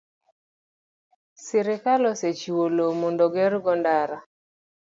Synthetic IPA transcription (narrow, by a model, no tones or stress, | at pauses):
sɪɾɪkalɔset͡ʃiwolomondoɡɛɾɡɔndaɾa